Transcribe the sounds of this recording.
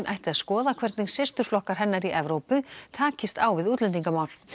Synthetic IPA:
nʔajht̪ɪaðskɔːðakʰvɛɾt̪nɪŋsɪst̪ʏɾ̥flɔhkaɾ̥ɦɛnːaɾiʔɛvɾoːwpʏt̪ʰaːcɪst̪aːwvɪðuːt̪lɛnt̪iŋkamaːwl̥

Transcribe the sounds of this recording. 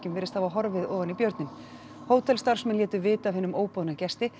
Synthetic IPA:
cɪmvɛːɾɪst̪havaɦɔɾvɪðɔːðanipjœɾt̪nɪm | hoːwt̪ʰɛlst̪aɾ̥smɛnljɛːt̪ʏvɪːt̪avɦɪnːʏmoːwpɔːðnacɛst̪ɪ

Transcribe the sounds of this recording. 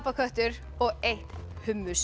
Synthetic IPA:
pakʰœht̪ʏɾ | ɔɣeht̪hʏmːʏs

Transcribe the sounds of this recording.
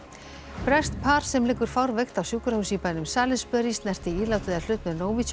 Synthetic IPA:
pɾɛst̪pʰaːɾ̥sɛmlɪːkːʏɾ̥fawɾvɛxt̪awsjuːkʏɾahusipajnʏmsaːlɪspœɾist̪nɛr̥t̪ɪiːlawt̪ɪðaɾl̥ʏtp̪nʏnoːwvit̪s

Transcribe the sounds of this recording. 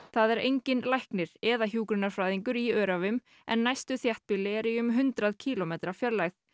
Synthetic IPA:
θaðɛɾejɲcɪnlajhknɪɾ̥ɛðaçjuːkɾʏnaɾ̥fɾajðiŋkʏɾiœːɾavʏm | ɛ̰nːajst̪ʏθjaht̪̚pɪlɪɛɾiʏmɦʏnt̪ɾaðcʰiːlɔmeːt̪ɾḁfjɛɾlajθ

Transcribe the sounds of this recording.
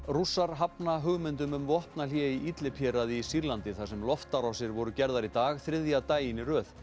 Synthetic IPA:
rusaɾ̥ɦapnaɦʏɣmɪnt̪ʏmʏmvɔhpnaljɛiit̪lɪpʰjɛɾaðɪsiɾlant̪ɪθasɛmlɔft̪aɾawsɪɾvɔɾʏcɛɾðaɾit̪aːɣθɾɪðjat̪aːjɪnɪrœːθ

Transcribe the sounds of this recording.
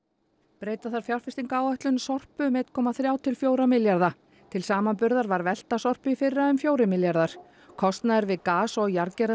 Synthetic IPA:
pɾeːjt̪aθaɾ̥fjawr̥fɪst̪iŋkaːwœht̪lʏnsɔr̥pʏmɛːt̪kʰɔːmaθɾjaːwt̪ʰɪlfjoːwɾamɪljaɾða | t̪ʰɪlsaːmanpʏɾðaɾvaɾvɛl̥t̪asɔr̥pʏifɪrːaʏmfjoːwɾɪmɪljaɾðaɾ̥ | kʰɔst̪naðɪɾvɪðkaːsɔɣjaɾcɛɾ

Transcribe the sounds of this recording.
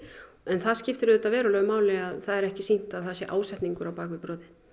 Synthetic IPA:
ɛnθaðscɪft̪ɪɾʏðɛt̪ːavɛːɾʏlœːɣʏmaːwlɪaðθaðɛɾɛhcɪsin̥t̪aðθaðsjɛʔaːwsɛht̪niŋkʏɾawpaːkvɪɾpɾɔːðɪ

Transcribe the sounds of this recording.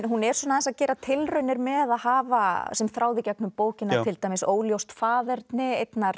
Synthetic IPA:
ɦunɛɾswɔnaθɛnsaðcɛːɾat̪ʰɪlrœɥnɪɾmɛðaðhaːvasɛmθɾaːwðɪcɛk̚nʏmpoːwcɪnat̪ʰɪlt̪ajmɪsoːwljowst̪faːðɛɾt̪nɪejt̪naɾ̥

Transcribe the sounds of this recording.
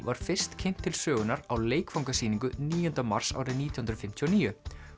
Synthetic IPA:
vaɾ̥fɪr̥st̪cʰejn̥t̪ʰːɪlsœːɣʏnaɾawleːjkfawŋkasiːniŋkʏniːjɔnt̪ama̰r̥sa̰wɾɪnniːt̪ʰjɔhnɾfɪm̥t̪ʰiɔniːjʏ

